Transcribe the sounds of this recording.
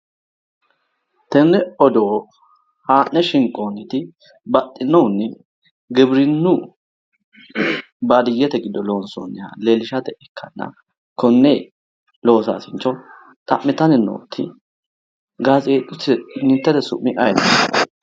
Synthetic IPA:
t̪ɛnːɛɔd̪oː | haːʔnːɛʃɪŋkʼːoːnɪt̪ɪ | bɐt̪ʼːɪnːɔwnːɛ | ɡɪbɾɪnːʊ | baːd̪ɪjːɛt̪ɛɡɪd̪ːɔlo̞ːnso̰nːɛha̰leːlɪʃɐt̪ɛʔɛkʰːɐnːɐ̰ | kɔnːeː | lo̞ːsa̰ːsɪnt͡ʃːɔ | t̪ʼɐ̰mːɪt̪ɐnɪno̰ːt̪ʰːɪ̰ | ɡaːzeːt̪ʼːʊt̪ːɪnɪt̪ːɛd̪ɛsʊ̰mːɪʔɐjd̪ɐ

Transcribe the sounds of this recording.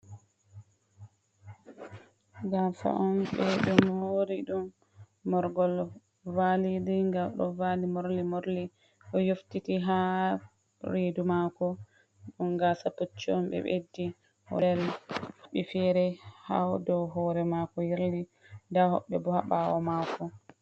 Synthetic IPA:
ɡasa̰ʔɔmɓɛɗɔmɾiɗumː | ɔɾɡɔl | validiŋɡamɗɔ̰valimoɾlimoɾli | ɗɔjoftitiɦa | ɾedumakɔ | ɗumɡasapot͡ʃːiɔmbɛ̰ɓḛdːi | hɔdɛlhɔɓːɛfɛɾɛha̰dɔwɦɔɾɛmakɔjiɾli | ndahɔ̰ɓːɛbɔhaɓawɔmaːkɔ

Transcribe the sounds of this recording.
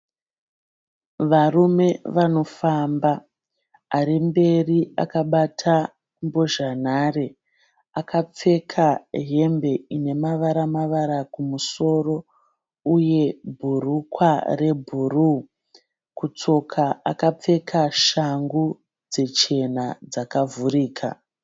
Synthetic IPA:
ʋarume̞ʋano̞fambaː | ɾimbe̞riakaɓatʰa | mbo̞ʒan̤are | akʰap͡fe̞kʰaɦe̞mbe̞ine̞maʋaɾamaʋaɾakumuso̞ːro̞ | uje̞bʱurukware̞bʱuru | kut͡so̞kʰaa̰kap͡fe̞kʰaʃaŋɡu | d͡ze̞t͡ʃe̞nad͡zakavuɾiːkʰa̰

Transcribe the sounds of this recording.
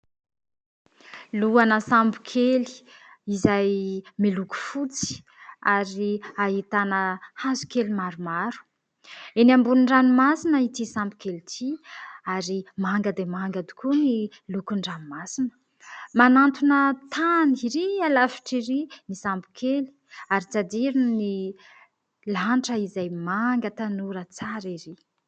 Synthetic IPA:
luanəsambu̥kʰeli̥izajmiluku̥fut͡si̥ | aɾiaɦit̪anəhazu̥kelimaɾumaɾu̥ | enambunɳɖ͡ʐanimasinəit̪isambu̥kelit̪ʰiaɾimaŋɡəd̪emaŋɡad̪i̥kʰuni | lukuɳɖ͡ʐanimasinə̥ | manant̪unət̪ʰaniiɾialafi̥ʈ͡ʂiɾinisambu̥kʰeli̥aɾit͡sad̪iɾinni | laɳʈ͡ʂəizajmaŋɡət̪anuɾət͡saɾiɾi

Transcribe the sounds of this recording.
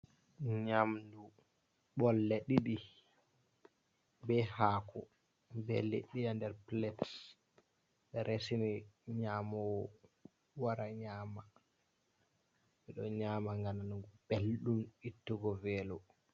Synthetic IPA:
ɲamdu | ɓɔlːeɗiɗi | bɛhaːkɔ̰ | bɛ̰lḛɗːijandɛɾplɛt | ɓɛɾesiniɲaːmɔw | waɾaɲaːma | ɓɛɗɔɲaːmaŋɡananuɡub̥elɗumitːuɡɔvɛːlɔ

